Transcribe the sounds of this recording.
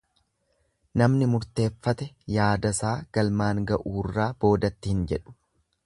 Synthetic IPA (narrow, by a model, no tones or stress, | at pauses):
nɐmnɪmʊɾt̪e̞ːfːɐt̪ɛjaːd̪ɐsaːɡ̥ɐlmaːŋɡɐʔuːrːaːb̥o̞ːd̪ɐt̪ːɪhɪnd͡ʒɛᶑʊ̥